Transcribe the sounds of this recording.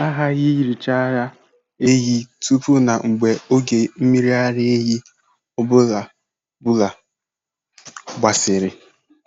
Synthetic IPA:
a˦ɦa˦ɣi˦ji˨ɾi˨t͡ʃa˦ɾa˦ | e˦ɦi˦tu˦pu˦na˨ŋ͡m̩˨ɡ͡be˨o˦ɡe˨m̩˦mi˦ɾi˦a˦ɾɪ˦e˦ɦi˦ | ʊ˦bʊ˦la˨ | bʊ˦la˨ | ɡ͡bʷa˨sɪ˨ɾɪ˨

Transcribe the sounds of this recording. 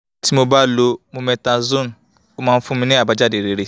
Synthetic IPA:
tʰi˦mo˨ba˦˨lo˦mu˨me˨ta˨zo˦˨n̩˨ | kʊ˦ma˨m̩˦fʊ˦mi˦ne˦a˨ba˨d͡ʒa˦˨de˨ɾe˨ɾi˦

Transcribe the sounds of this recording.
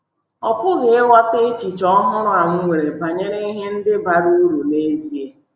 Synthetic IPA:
ɔ˨pʊ˦ɡe˨e˦wa˦te˦t͡ʃi˨t͡ʃɔ˦ɔ˦ɦʊ˦ɾʊ˦a˨ŋ̩˦ŋʷe˨ɾe˨ba˨ɲe˦ɾe˦i˦ɦe˦n̩˦dɪ˦ba˨ɾu˦ɾu˨ne˦zi˦e˦

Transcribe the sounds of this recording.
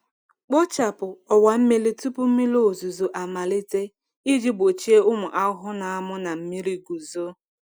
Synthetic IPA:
k͡pɔ˦t͡ʃa˨pʊ˨ɔ˨wa˨m̩˦me˦le˦tu˦pʊ˦m̩˦mi˦lo˦˨zu˨zo˨ʔa˨ma˨li˦te˦ | i˦d͡ʒi˦bo˨t͡ʃi˦e˦ʊ˦mʊ˨ʔa˦ɦʊ˦na˨a˦mʊ˦na˨m̩˦mi˦ɾi˦ɡu˨zo˦

